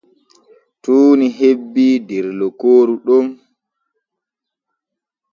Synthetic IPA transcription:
tuːniɦebːidɛɾlɔkoːɾuɗɔm

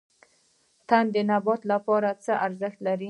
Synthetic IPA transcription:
t̪and̪ənabɑt̪lapɑɾat͡səʔaɾzəxt̪laɾi

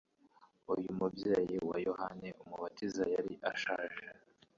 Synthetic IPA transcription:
ujumubjeːjiwa̰johaneʔumuβatizajaɾiʔaʃaːʒe

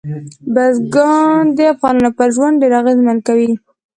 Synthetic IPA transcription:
bazɡɑnd̪əafɣɑnunopəɾʒwand̪̚ɖeɾaɣezmankawi

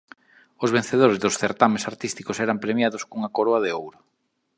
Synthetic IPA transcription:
ozβen̟θeðoɾezðʊsθeɾt̪amesaɾt̪ist̪ikʊsɛɾampɾemjaðʊskuŋakoɾoaðɪowɾʊ

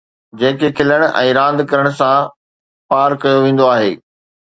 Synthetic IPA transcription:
d͡ʑẽːkekʰɪləɽ̃ʊʔɛ̰̃ːɾãːnd̪kɐɾəɽ̃ʊsã | paːɾkɐjoʋẽːn̆d̪oaːɦeː

